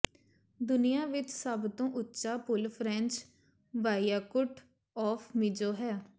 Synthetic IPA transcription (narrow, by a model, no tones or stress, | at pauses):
d̪ʊnɪjãːʋɪt͡ʃsəbt̪õːʔʊtːʃaːpʊlpʰɾɛ̃ɲt͡ʃ | ʋaːijaːkʊʈ | ɔːpʰmid͡ʒoːɦɛː